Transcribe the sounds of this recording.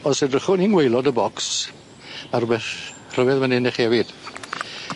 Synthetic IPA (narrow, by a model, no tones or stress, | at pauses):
ɔsedrəχʊninwejlˠɔdəbɔks | marʊbɛθ | r̥əvɛðmanɛnɪχɛvɪd̥